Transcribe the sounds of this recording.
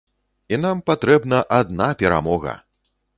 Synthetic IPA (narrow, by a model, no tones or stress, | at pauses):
inampat̪ɾɛbnɐʔad̪napʲɛɾa̰mɔɣɐ̰